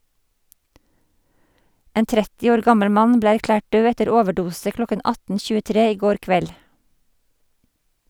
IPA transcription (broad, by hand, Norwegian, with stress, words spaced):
ˈeːn ˈtɾɛtɪ ˈoːɾ ˈɡɑməɽ ˈmɑn ˈbleː æɾˈklæːʈ ˈɖøː ˈɛtəɾ ˈoːʋəˌɖuːsə ˈklɔkən ˈɑtn̩ çʉːəˈtɾeː ˈiː ˈɡoːɾ ˈkʋɛl